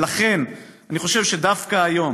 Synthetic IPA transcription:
laχe̞naniχo̞ʃevʃedafkaːjo̞

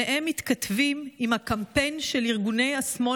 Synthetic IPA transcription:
eʔemːit̪kat̪vimimhakampe̞jnʃeliʁɡune̞jasmo

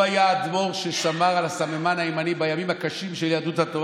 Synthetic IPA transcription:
ajaːd̪mo̞ʁʃeʃamaʁalasamemanaemanibajamimhakaʃimʃeljad̪uthat̪o

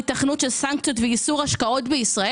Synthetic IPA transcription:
taχnutʃelsaŋk̚t͡sjotveisuʁhaʃkao̞tbeisʁae

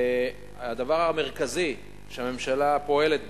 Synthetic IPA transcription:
ad̪avaʁame̞ʁ̞kazi | ʃeame̞mʃalapo̞e̞le̞t̪̚b

